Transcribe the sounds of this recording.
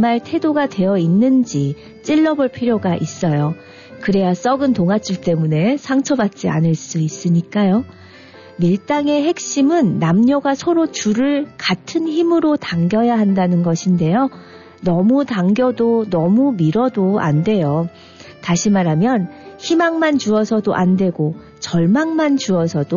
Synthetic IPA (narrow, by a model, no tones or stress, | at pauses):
maɭtʰe̞doɡadwe̞jʌinːɯnd͡ʑi | t͡ɕ͈iɭːʌboɭpʰiɾjoɡaʔis͈ʌjo | kɯɾe̞jas͈ʌɡɯntoŋat͡ɕ͈iɭt͈e̞mune̞sʰaŋt͡ɕʰʌbat̚t͡ɕ͈ia̰nɯɭs͈uis͈ɯɲik͈ajo | miɭt͈aŋe̞ɦe̞k̚ɕ͈imɯnːamɲʌɡasʰʌɾot͡ɕuɾɯɭkatʰɯnçimɯɾotaŋɡjʌjaɦandanɯnɡʌɕʰinde̞jo | nʌmutaŋɡjʌdonʌmumiɾʌdoa̰nde̞jo | taɕʰimaɾɦamjʌnçimaŋmant͡ɕuʌsʰʌdoʔandwe̞ɡo | t͡ɕʌɭmaŋmant͡ɕuʌsʰʌdo